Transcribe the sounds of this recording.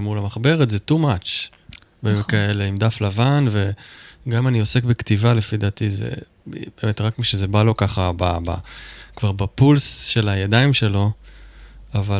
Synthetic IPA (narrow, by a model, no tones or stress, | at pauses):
mulamaχbe̞ʁetzetumat͡ʃ | bemetkaeleimd̪aflavanve̞ɡamanio̞se̞kbektivalefid̪aːtizḛ | beːme̞tʁakmiʃezebalo̞kaχababa̰kvaʁbapulsʃe̞lajadaimʃe̞lo̞ | ava